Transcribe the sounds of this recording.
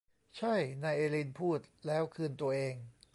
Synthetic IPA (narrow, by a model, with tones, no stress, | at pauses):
t͡ɕʰa˥˩jnaː˧jʔeː˧li˧npʰuː˥˩t̪̚lɛː˦˥wkʰɯː˧nt̪u˧ɐʔeː˧ŋ